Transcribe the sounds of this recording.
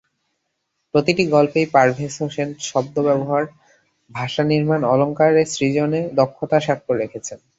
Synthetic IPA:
pɾot̪iʈiɡɔlpejpaɾbʱesoʃenʈʃɔb̚d̪obɛboɦaɾ | bʱaʃaniɾmanɔloŋkaɾesɾid͡ʑoned̪ɔkʰːot̪aʃakːɾoɾekʰet͡ɕʰen

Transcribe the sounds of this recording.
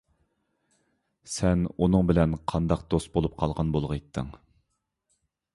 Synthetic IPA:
sɛnunɨŋbɪlɛnqʰɑnd̪ɑq̚d̪ost̪̚bolˠup̚qʰɑlˠʁɑnbolˠʁəet̪ʰːɪ̰ŋ

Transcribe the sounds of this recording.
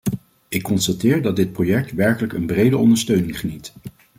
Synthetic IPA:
ɪkːɔnstatɪːɹdɑd̚ɪt̚projɛɹk̚tʋɛɹkələkənbrejdəɔ̰ndəɹstøɥnɪŋχənit

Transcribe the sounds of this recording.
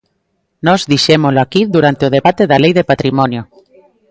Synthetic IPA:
nɔzðiʃemoloakiðuɾant̪eoð̞eβat̪eðalejðepat̪ɾimɔnjo

